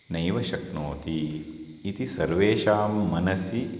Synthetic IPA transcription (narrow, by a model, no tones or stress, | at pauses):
nɐjʋɐʃɐknoːt̪iː | t̪isɐɾʋeːʃaːmːɐnɐsi